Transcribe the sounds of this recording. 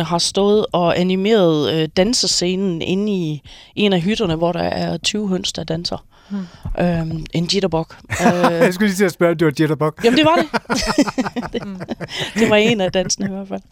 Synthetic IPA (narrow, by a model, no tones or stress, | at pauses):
əɦɑ̈sd̥ɔ̽ːð̞̩ˠɒ̽ʔænime̝̰ːɐð̞ˠød̥ænsəse̝ːnn̩ʔe̝n̩iʔe̝næɦyd̥ɐnəʋɒɾ̥ɑʔæɐt͡sʰyːʊɦøn̰sd̥ɑd̥ænsɐ | ʔøʔe̝nd̥jeɾɐb̥ɒɡ̥ | sɡ̥ulit͡sʰe̝sb̥ɶɐd̥e̝ʋɑd̥jeɾɐb̥ɒɡ̥jæmənd̥eʋɑ̈ɾe̝ | d̥ | d̥e̝ʋɑ̈e̝næd̥ænsɐnəiʋæɐfæl̰